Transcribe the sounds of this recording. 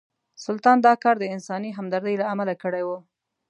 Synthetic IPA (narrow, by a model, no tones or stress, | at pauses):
sʊlt̪ɑnd̪ɑkɑɾd̪əɪnsɑniɦamd̪aɾd̪əjlaamalakəɽejwu